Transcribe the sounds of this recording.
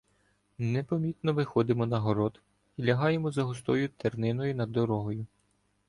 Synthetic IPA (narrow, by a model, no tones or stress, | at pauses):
nepɔmʲit̪nɔʋɪxɔd̪ɪmɔnɐɦɔɾɔd̪ | ilʲɐɦɑjemɔzɐɦʊst̪ɔjʊt̪ernɪnɔjʊnɐd̪ːɔɾɔɦɔjʊ